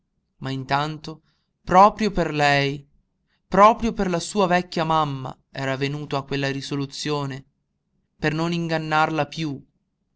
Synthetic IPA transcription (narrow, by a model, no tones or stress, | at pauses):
maint̪ant̪o | pɾɔːpɾjoperlɛj | pɾɔːpɾjoperlasuːavɛkʲːjamamːa̰ | ɛːɾavenuːt̪oakːwelːaɾisolut̪sːjoːne | pernoniŋɡanːarlapju